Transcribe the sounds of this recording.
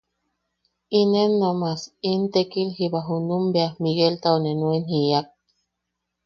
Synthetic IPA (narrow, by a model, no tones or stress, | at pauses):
inenːomasint̪ekilhiβaɦunumbeamiɣelt̪aonenuenhiak̚